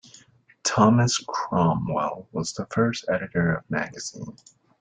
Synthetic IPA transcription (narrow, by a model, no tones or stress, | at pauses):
tʰɑmɨskʰɹ̥ɑ̃mwɛ̰lˠwʌzðəfɜ˞stɛɾɨɾə˞ʌvmæ̰ɡɨz̥ḭ̃n